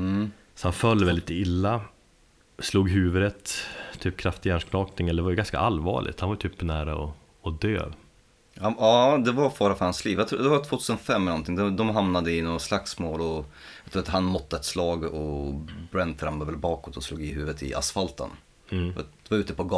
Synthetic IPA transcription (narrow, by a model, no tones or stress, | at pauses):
m | sɔhanfœlːvɛld̪ɪt̪ɪlːa | sluːɡɦʉ̟ːvəd̪ət̪t̪ʰːyːp̚kʰɾaft̪ɪɡansknɑːknɪŋɛlːəɛvajʏɡanska̰ʔalvɑ̰ːɭɪ̰t̪hanvaɾjʏt̪ʰyːpnæːɾa̰ɔ̰ | ɔd̪ø̰ː | haɑːd̪ɛvaɾfɑːɾafœɾhansliːvjat̪ʰɾuːd̪ɛvat̪ʰv̥oːt̪ʰʉːsənfɛmːɛlɔnt̪ʰɪŋd̪ɛd̪ɔmɦamnad̪əɪnoːɡaslaksmoːlɔjɑt̪ɾuːat̪hanmɔt̪ːəɛt̪slɑːɡɔbɾændt̪ʰɾambaɾvɛlbɑːkɔt̪ɔsluːɡɪɦʉ̟ːvət̪ɪ̰ʔa̰sfalt̪ə̰n | ft̪d̥̪ɛvaɾʉ̟ːt̪əpʰɔɡ